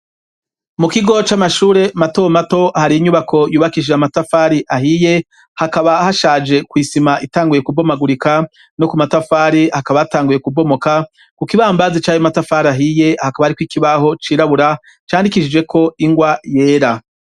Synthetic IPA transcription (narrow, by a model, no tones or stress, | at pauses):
mukiɡo̞t͡ʃamaʃuːɾe̞mato̞mato̞haɾiɲuβakʰo̞juːβakid͡ʒeamatafaɾiʔaɦije̞ | hakaβahaʃaːd͡ʒe̞kwisimaʔitaːŋɡuje̞kubo̞maɡuɾika | no̞kumatafaːɾihakaβajataːŋɡuje̞kubo̞mo̞ka | kukiβaːmbazit͡ʃaːjomatafaɾaɦije̞hakaβahaɾikwikiβaho̞t͡ʃiːɾaβuɾa | t͡ʃaːndikiʃid͡ʒwe̞kʰo̞iŋɡwaje̞ːɾa